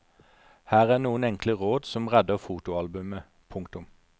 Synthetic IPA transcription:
hæːʁæːʁnuːənɛŋkləʁoːd̪sɔmʁɛd̪əʁfuːt̪ʊɑlbʉmə | pʰʊŋkt̪ʊm

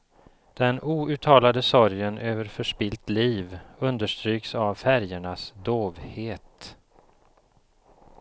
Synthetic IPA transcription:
d̪̥ɛnʔuːʉ̟ːt̪ʰɑːlad̪əsɔɾjənʔøːvəɾfœʂpɪlt̪liːvɵnd̪əʂt̪ɾyːksavfæɾjəɳasd̪oːvheːt̪

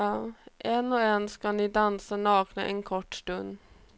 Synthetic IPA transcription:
ʔeːnoːeːnskɑniːd̪ɑnsənɑːknə̰ʔeːnkʰɔʈst̪ʉn

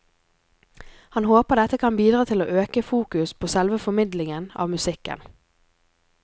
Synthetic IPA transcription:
hɑnhoːpəɖ̪ɛt̪əkʰɑnbiːd̪ʁɑːt̪ʰɪloːʔøːkəfuːkʉspʰoːsɛlʋəfɔmɪd̪lɪŋənɑ̰ːʋmʉsɪkə̰n

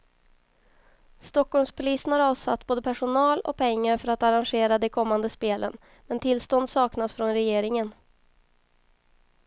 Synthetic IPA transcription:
st̪ɔkːɔlmspʰʊliːsənhaɾɑːvsat̪ːboːd̪əpʰæʂʊnɑːlɔ̰k̚pʰɛŋːaɾfœɾat̪aɾanɧeːɾad̪ɛkʰɔmːand̪əspeːlə̰n | mɛnt̪ʰɪlst̪ɔnd̪sɑːknasfɾɔnɾɛjeːɾɪŋən

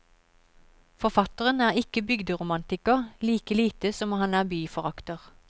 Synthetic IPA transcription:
fɔʁfɑt̪əʁənæːʁɪkəbʏɡd̪əʁʊmɑnt̪ɪkɑliːkəliːt̪əsɔmɔhɑnæːʁbyːfɔʁɑkt̪əʁ

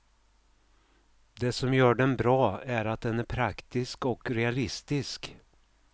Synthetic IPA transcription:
d̪ɛsɔmjœːɖɛnbɾɑːæɾat̪̚d̪ɛnæɾpʰɾakt̪ɪskɔkɾɛalɪst̪ɪsk

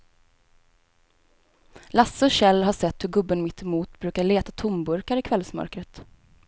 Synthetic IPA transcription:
lasːəɔɕɛlːɦaʂɛt̪ːhɵɾɡɵbːənmɪt̪ːɪmuːt̪bɾʉ̟ːkaɭeːt̪at̪ʰʊmbɵɾkaɾɪkʰvɛlsmœ̰ɾkɾət̪

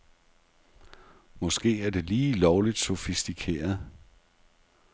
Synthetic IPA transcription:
mɒ̽sɡ̥e̝̰ːæɐd̥e̝liːlɒʊlid̥sofisd̥ikʰe̝̰ːɐðˠ

